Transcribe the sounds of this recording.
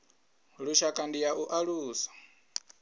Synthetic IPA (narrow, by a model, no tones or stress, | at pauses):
ɺuʃakʼandijaʔuʔaɺuːsḁ